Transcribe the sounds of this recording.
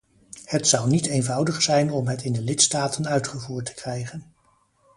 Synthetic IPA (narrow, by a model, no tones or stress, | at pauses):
hətsʌwniteːjnvʌwdəχsɛjnɔmɦətɪndəlɪtstaːtʰənœɥtχəvuːɹtə̥krɛjχən